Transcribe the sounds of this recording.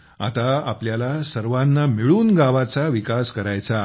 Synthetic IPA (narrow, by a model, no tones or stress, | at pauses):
a̰t̪aapljalasəɾʋanːamiɭuːnɡaʋat͡saʋikaskəɾajt͡sa